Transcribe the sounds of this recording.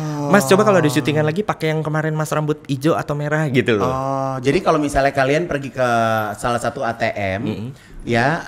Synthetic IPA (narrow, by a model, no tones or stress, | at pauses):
mast͡ʃobakalodasut̪iŋanlaɡipakɛjaŋkəmaɾɛnmasrambʊt̪̚id͡ʒoa̰t̪awmeɾahɡit̪uɔd͡ʒadikalomisalɲakalianpərɡikəsalahsat̪uat̪eʔɛm̩m̩ | ja